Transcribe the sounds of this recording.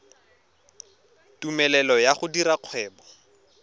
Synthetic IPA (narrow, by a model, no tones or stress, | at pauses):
tumɛlɛlɔjaχʊdiɾaq͡χʰwɛːbɔ